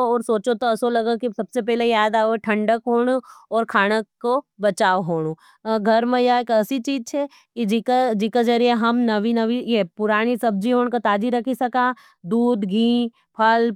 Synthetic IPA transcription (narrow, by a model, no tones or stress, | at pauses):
ɔːɾsoːt͡ʃot̪oɐsolɐɡakisɐbsepɛːlejaːd̪aːeʈʰɐ̃ɳɖəkɦoːɽ̃oɔːɾkʰaːɽ̃əkːobɐt͡ʃaːoɦoːɽõ | ɡʱɐɾmẽjaekɐsit͡ʃiːd͡ʒt͡ʃʰɛ | kid͡ʒikad͡ʒikad͡ʒɐɾieɦɐmnɐʋinɐʋijepʊɾaːɽ̃isɐb̚d͡ʒiɦoːɽ̃kot̪aːd͡ʒiɾɐkʰisɐka | d̪uːd̪ɡʱĩː | pʰɐl